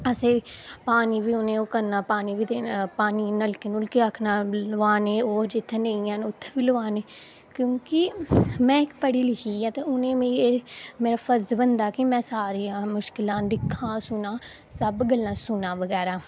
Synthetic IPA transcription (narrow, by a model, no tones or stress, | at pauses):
əseːpaːniːʋiːʊnẽːoːkəɾnaːpaːniːʋiːt̪epaːniːnəlkeːnʊlkiəkʰnaːlʋaːneːoːɾd͡ʒɪt̪ʰːẽːnẽĩãːnʊt̪ʰːeːʋiːlʊʋaːneː | kjõːkɪmɛ̃ːɪkpəɽiːlɪkʰiːãːt̪eːʊnẽːmeːieːmeːɾaːpʰəzbənd̪aːkɪmɛ̃ːsaːɾeːãːmʊʃkɪlãːd̪ɪkʰːãːsʊnãː | səbɡəlːãːsʊnãːʋəɡɛːɾaː